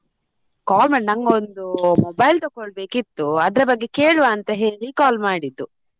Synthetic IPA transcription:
kaːlmaːɳnɐŋɡɐond̪umobɐjlt̪okːɔɭbe̞ːkit̪ːuɐd̪ɐɾɐbɐɡːe̞ke̞ːɭʋaːnt̪ɐɦe̞ːɭikaːlmaːɽid̪ːu

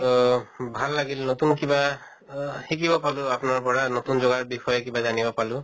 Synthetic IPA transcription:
bʱalːaɡilnot̪unkiba | hikibɔpalʊapnaɹpɔɹanot̪unzɔɡaɹbixɔjɔkibazanibɔpalʊ̃

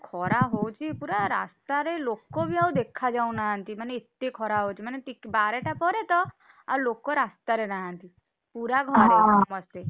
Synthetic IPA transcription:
kʰɔɾaɦowt͡ʃʰipuɾaɾast̪aɾelokobʱiawd̪ekʰad͡ʒaũnaɦant̪imaneet̪ːekʰɔɾaɦowt͡ʃʰimanet̪ikbaɾeʈapɔɾet̪ɔ | a̰lokɔɾast̪aɾeɾaɦant̪i | puɾaɡʱɔɾemɔse

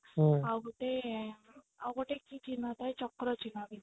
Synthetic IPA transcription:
aɡoʈe | awɡoʈekit͡ʃinat̪ajt͡ʃɔkɾɔt͡ʃinabi

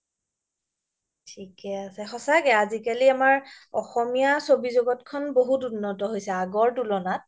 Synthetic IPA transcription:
tʰikɛasɛxɔsakɛazikaliamaɹɔ̰xɔmijasobizoɡɔtkʰɔnboɦutunːɔtɔɦojsɛaɡɔɹtulɔnat̚

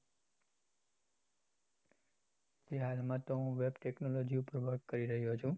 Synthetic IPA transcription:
d͡ʒeɦalmãt̪oɦũʋebʈeknolod͡ʒiupəɾʋəʈkəɾiɾəɦijot͡ʃʰũ

